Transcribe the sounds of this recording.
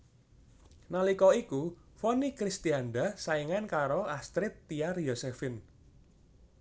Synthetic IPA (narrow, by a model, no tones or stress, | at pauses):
nalikɔikufɔnikɾist̪ianɖasaiŋankaɾoast̪ɾɪt̪ːiarjɔsefɪn